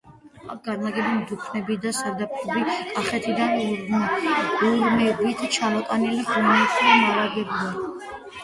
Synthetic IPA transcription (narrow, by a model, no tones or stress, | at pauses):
akʰɡ̥aɾnaɡɛbimd̪upʰnɛbid̪asaɾd̪ap̚ʰɔbikʼaχɛt̪ʰid̪an | uɾmɛbit̪ʰt͡ʃʰamɔt̪ʼaniliχunɛt̪ʰʼlinaɾaɡɛbd̪a